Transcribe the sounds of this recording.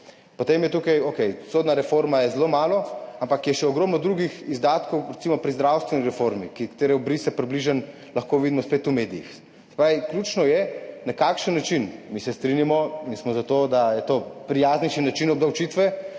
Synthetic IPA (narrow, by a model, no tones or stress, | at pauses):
pɔt̪emjɛt̪ukajokɛjsoːd̪naɾɛfoɾmajɛzloːmaːlɔampakjɛʃɛɔɡɾoːmnɔd̪ɾuɡixizd̪aːt̪kɔwɾɛt̪simɔpɾizd̪ɾawst̪ʋɛniɾɛfoɾmikikḁt̪eːɾɛɔbɾisɛpɾibliʒən | lɐxkoʋid̪imɔspet̪umed̪ijḭxs | sɛ̥pɾaːʋikljut͡ʃnɔjɛnakaːkʃənːat͡ʃinmisɛst̪ɾinjamɔinsmɔzat̪oːd̪ajɛt̪opɾijazniʃinat͡ʃinɔbd̪awt͡ʃit̪ʋɛ